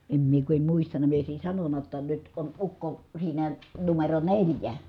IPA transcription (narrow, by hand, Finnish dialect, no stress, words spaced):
em mie ku em muistɑnɑ mie oˑi̯sin̞ sɑnonːɑ tːɑ nyt on ukːo siːnæ numero nelʲjæ